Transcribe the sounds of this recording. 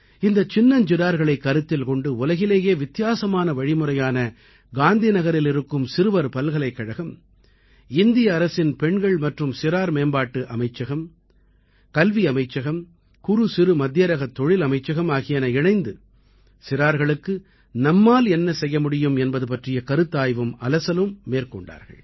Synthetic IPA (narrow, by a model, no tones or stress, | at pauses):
ɪnd̪ɐt͡ʃɪnːɐnd͡ʒɪɾaːɾɣɐɭɐɪkːɐɾɯt̪ːɪlkɔɳɖɯʊlɐɣɪleːjeːʋɪt̪ːɪjaːsɐmaːnɐʋɐɻɪmɯrɐjaːnɐ | ɡaːnd̪inɐɣɐɾɪlɪɾɯkːɯmsɪɾɯʋɐɾpɐlɣɐɭɐɪkːɐɻɐɣɯm | ɪnd̪ɪjɐːɾɐsɪnpɛɳɡɐɭmɐʈrɯmsɪɾaːɾmeːnbaːʈːɯʔɐmɐɪt͡ʃːɐɣɐm | kɐlʋiɐmɐɪt͡ʃːɐɣɐm | kʊɾusɪɾɯmɐd̪jɐɾɐɣɐt̪ːɔɻɪlɐmɐɪt͡ʃːɐɣɐmaːɣɪjɐnɐɪɳɐɪnd̪ɯ | sɪɾaːɾɣɐɭɯkːɯ | nɐmːaːlɛnːɐsɛjːɐmʊɽɪjɯmɛnbɐðɯpɐʈrɪjɐkɐɾɯt̪ːaːjʋɯmɐlɐsɐlɯmːeːɾkɔ̰ɳɖa̰ːɾɣɐ̰ɭ